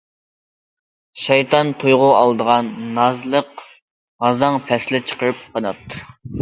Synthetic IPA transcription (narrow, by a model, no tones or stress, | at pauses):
ʃɑjt̪ʰɑnt̪ʰujʁʊɑlˠd̪əʁɑnːɑzlˠəq | ʁɑzɑŋpʰɛslɪt͡ʃʰə̥qʰəɾɨp̚qʰɑnɑt̪ːɨ̥